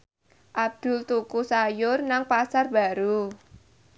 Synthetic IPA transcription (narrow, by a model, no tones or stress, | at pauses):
ʔab̚d̪̥ʊ̤lt̪ukusajʊrnaŋpasarba̤ɾu